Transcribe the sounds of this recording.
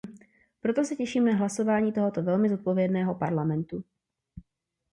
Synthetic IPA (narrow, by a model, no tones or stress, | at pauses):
pɾo̞t̪o̞sɛcɛʃiːmnaɦlaso̞vaːɲiːt̪o̞ɦo̞t̪o̞vɛlmɪzo̞t̪̚po̞vjɛdnɛːɦo̞paɾlamɛnt̪u